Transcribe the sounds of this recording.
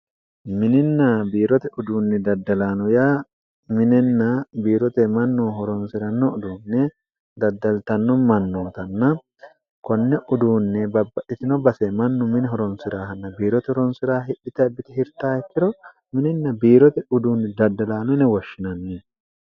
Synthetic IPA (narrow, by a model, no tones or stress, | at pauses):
mɪnɪnːɐbiːɾɔt̪ɛʊd̪uːnːɛd̪ɐd̪ːɐlaːnɔjaː | mɪnɛnːɐbiːɾɔt̪ɛmɐnːuɦɔɾɔnsɪɾɐnːɔʊd̪uːnːɛ | d̪ɐd̪ːɐlt̪ɐnːɔmɐnːoːt̪ɐnːɐ | kɔnːɛʔʊd̪uːnːɛbɐbːɐʔɪt̪ɪnɔbɐsɛmɐnːʊmɪnɛɦɔɾɔnsɪɾaːhɐnːɐbiːɾɔt̪ɛhɔɾɔnsɪɾaːɦɪʔɪt̪ɐbɪt̪ɪhɪɾt̪aːɛt̪ːɪɾɔ | mɪnɪnːɐbiːɾɔt̪ɛʊd̪uːnːɛd̪ɐd̪ːɐlaːnɔnɛwɔʃːɪnɐnːiː